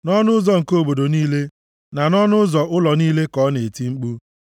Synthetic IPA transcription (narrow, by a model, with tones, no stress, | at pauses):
nɔ˦nʊ˦zɔ˨ŋ̩˨ko˨bo˨do˨niː˦le˦ | na˨nɔ˦nʊ˦zɔ˨ʔʊ˦lɔ˨niː˦le˦kɔ˨˦ne˨ti˦ŋ͡m̩˦k͡pu˦